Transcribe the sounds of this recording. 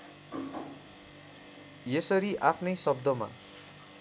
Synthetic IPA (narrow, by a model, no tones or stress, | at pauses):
jesʌɾiʔapʰnʌjsʌb̚d̪ʌma̰